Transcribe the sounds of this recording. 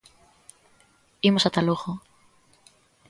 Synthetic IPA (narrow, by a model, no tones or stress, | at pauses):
imosat̪aloɣo